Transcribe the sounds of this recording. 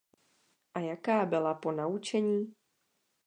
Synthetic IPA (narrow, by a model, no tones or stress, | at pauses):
ʔajakaːbɪlapo̞naut͡ʃɛɲiː